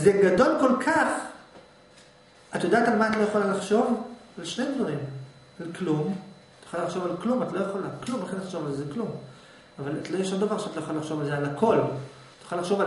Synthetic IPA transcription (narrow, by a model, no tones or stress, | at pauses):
zeɡado̞lko̞lkʰaχ | atajod̪aːtalmaːtlojaχolalaχʃo̞valʃnedvaʁim | alklumat̪jaχolalaχʃo̞valklumat̪lo̞jaχolaklumbeχinlaχʃovalzezeklum | avalat̪lojeʃond̪avaʁʃeat̪lojaχolalaχʃovalzealakʰo̞l | t̪ajḁχalaχʃo̞va